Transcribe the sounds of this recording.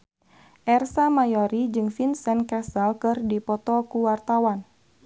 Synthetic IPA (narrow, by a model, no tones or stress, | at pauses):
ʔɛrsamajɔɾid͡ʒɨŋfinsɛnkɛsəlkɨrdipɔt̪ɔkuwart̪awan